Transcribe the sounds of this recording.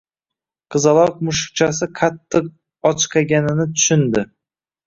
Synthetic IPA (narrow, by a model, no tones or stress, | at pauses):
qʰɨzɑlˠɒq̚mʊʃk̚t͡ʃʰas̬ɪqʰat̪ʰːɪq̚ | ɒt͡ʃqʰɑɡʲanɪnɪt̪ʰʊ̥ʃɪnd̪ɪ